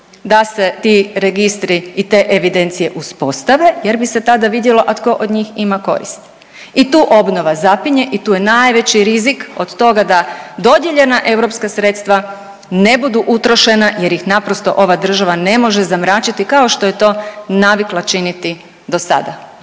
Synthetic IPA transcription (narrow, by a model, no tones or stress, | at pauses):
d̪ase̞t̪iɾe̞ɡist̪ɾiːt̪e̞ːʔeʋid̪e̞nt̪sije̞ʔuspo̞st̪aʋe̞je̞ɾbise̞t̪ad̪aʋid̪jelo̞ʔat̪ko̞ʔod̪ɲiːximako̞̰ɾḭst̪ | it̪uːʔo̞bno̞ʋazapiɲe̞ʔit̪uːje̞naːjʋe̞t͡ɕiɾizikod̪t̪o̞ɡad̪ad̪o̞d̪je̞ʎe̞naʔe̞wɾo̞pskasɾe̞t̪st̪ʋa | ne̞bud̪uʔut̪ɾo̞ʃe̞naje̞ɾjixnapɾo̞st̪o̞̰ʔo̞ʋad̪r̩ʒaʋane̞mo̞ʒezamɾaːt͡ɕit̪ikao̞ʃt̪o̞je̞t̪o̞ːnaʋiklˠat͡ʃinit̪i | d̪o̞sa̰d̪a